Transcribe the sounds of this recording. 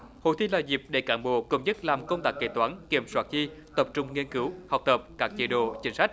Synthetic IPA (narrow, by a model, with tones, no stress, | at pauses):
ho̰˧˨jt̪ʰi˧laː˨˩zi˨˩p̚ɗe˧˩kaː˧˩nɓo̰˨˧˩ko̰˧˩ŋ͡mzə˦˥t̚laː˨˩mkə˧wŋ͡mt̪aː˦˥k̚ːḛ˧˩t̪waː˨˦nki˧˩əmswaː˦˥t̚zi˧t̪ə˨˩p̚t͡ɕʊ˧ŋ͡mŋi˧ənkɨ˨˦wha˨˩wk͡p̚t̪ə˨˩p̚kaː˦˥k̚t͡ɕi˧˦ɗo̰˧˨t͡ɕï˨˦ŋ̟sa˦˥k̟̚